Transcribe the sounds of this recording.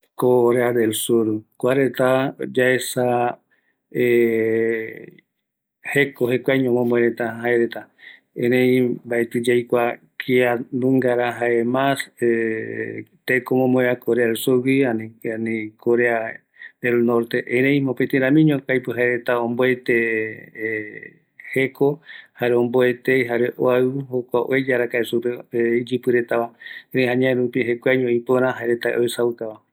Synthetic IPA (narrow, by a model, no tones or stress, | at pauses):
koɾead̪elsuɾkʷaɾet̪ad͡ʒaesa | e | hekoɦekʷajɲomõmboeɾet̪ahaeɾet̪a | ẽnẽj̃baet̪id͡ʒajkʷa | kʰianũŋɡaɾaɦaemase | t̪ekomõmboeakoɾeaðelsuɾwiananikʰoɾea | d̪elnoɾt̪e̞ʔẽɾej̃mõpet̪ẽɾãmĩɲõkajpɨɦaeɾet̪aõmboet̪e | hekʰohaɾeõmboet̪ejɦaɾeʔoaɨɦokʷaʔoed͡ʒaɾakaesuɾeid͡ʒɨpɨɾet̪aβaeɾẽjɦaɲãẽɾupĩɦekʷaɲõipoɾãɦaeɾet̪aḛʔoesawuk̪aβa